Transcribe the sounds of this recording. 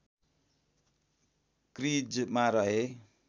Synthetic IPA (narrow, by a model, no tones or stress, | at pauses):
krid͡zmaɾʌɦe